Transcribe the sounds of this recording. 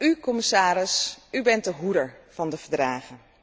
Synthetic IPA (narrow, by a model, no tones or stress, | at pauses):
ykɔmɪsaːɾɪsybɛnt̚dəɦudəɹv̥ɑndəv̥əɹdraːχən